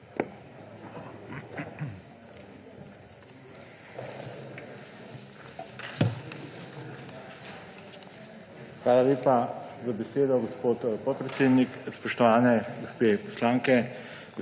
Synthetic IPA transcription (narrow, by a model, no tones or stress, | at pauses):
xʋaːlaleːpazabɛseːd̪ɔɡɔspoːt̪pɔt̪̚pɾɛt̪seːd̪nikspɔʃt̪ɔʋaːnɛɡɔspeːpɔ̥slaːŋkɛ | ɡ